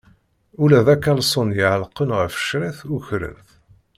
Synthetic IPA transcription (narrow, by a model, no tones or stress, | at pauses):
ulæðækːælsˤonjəʕlqːənʁəfʃɾiθʊçɾə̰nθ